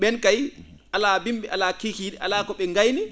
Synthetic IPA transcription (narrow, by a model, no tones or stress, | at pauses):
ɓɛnkaj | ʔalabimɓɛʔalakikiɗɛʔa̰lakɔɓɛŋɡajni